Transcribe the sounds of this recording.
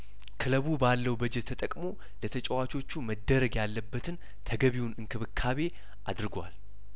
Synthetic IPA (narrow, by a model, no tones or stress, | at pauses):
kʰɨləβubalːəwbəd͡ʒɛt̪ʰːət̪ʼəkʼmo̞ | lət̪ʰət͡ʃʼəwat͡ʃʰʼo̞t͡ʃːuməd̪ːəɾəɡjalːəbːət̪ʰɨn | t̪ʰəɡəβiwunɨnkʰɨβɨkʰːaβe̞ | ʔad̪ɾɨɡwal